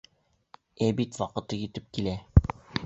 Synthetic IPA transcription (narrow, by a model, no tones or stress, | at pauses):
æbit̪wɒqɤ̆t̪ɤjɘ̆t̪ɘp̚kilæ